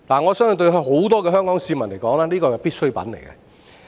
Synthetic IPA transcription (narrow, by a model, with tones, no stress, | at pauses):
laː˨˩ŋɔː˨˧sœː˥ŋ˨˧t̪ɵ˧ɥɦɵ˧ɥho˨˥wt̪ɔː˥k̬ɛː˧ɦœː˥ŋkɔː˨˥ŋsiː˧mɐ˨˩nle˨˩jkɔː˨˥ŋlaː˥liː˥kɔː˧jɛ˨˩wpiː˥t̚sɵ˥jpɐ̰˨˥nle˨˩jkɛ̰˧